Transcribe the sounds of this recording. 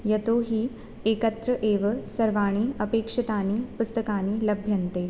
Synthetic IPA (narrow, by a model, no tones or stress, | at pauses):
jɐt̪oɦiː | ekət̪ɾəʔeːʋəsɐɾʋaːɽ̃iːəpeːkʂɐt̪aniːpust̪əkaniːləbʱjənt̪e